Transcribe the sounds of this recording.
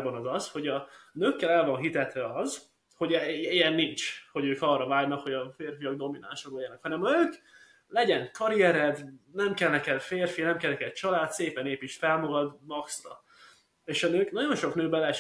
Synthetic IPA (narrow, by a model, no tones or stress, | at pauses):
bɒnɒzɒsho̞ɟɒnøːkːɛlɛlvɒnɦit̪ɛt̪ʋɛɒz | ho̞ɟɛejɛnːint͡ʃho̞ɟøːkɒrːɒvaːɡnɒkho̞ɟɒfeːrfijɒɡ̚d̪o̞mina̰ːnʃoloɟɛnɒkhɒnɛmnøːk | lɛɟɛŋkɒɾijɛɾɛd̪nɛmkɛlnɛkɛlfeːrfinɛmkɛlɛkɛd̪t͡ʃɒlaːt̪seːpɛneːpiʃfɛlmoɡɒd̪mɒkstɒ | eːʃɒnøːknɒɟo̞nʃo̞knøːbɛlɛ